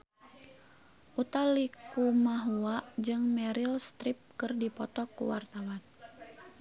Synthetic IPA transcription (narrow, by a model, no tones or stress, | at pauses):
ʔut̪alikumaɦuaʔd͡ʒɨŋmɛɾilst̪ɾip̚kɨrdipɔt̪ɔkṵwart̪awan